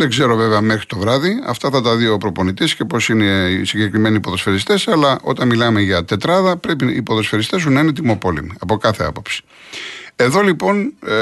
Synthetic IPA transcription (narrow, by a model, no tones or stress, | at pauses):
eɡze̞ɾo̞veveɐmexɾit̪o̞vɾɐðiɐ̰ft̪ɐθɐt̪ɐðiopɾo̞ponit̪isce̞po̞sineisiɲɟe̞kɾime̞nipo̞ðo̞sfe̞ɾist̪esɐlɐʔo̞̰t̪ɐnmilɐmeʝɐt̪e̞t̪ɾɐðɐpɾe̞piipo̞ðo̞sfeɾist̪e̞s̬unɐinet̪̬imo̞po̞lemiɐpo̞kɐθe̞ɐ̰po̞̥psi̥ | e̞ðo̞lipo̞n